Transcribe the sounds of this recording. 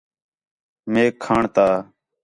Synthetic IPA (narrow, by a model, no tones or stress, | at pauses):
meːkʰːaːɳt̪aː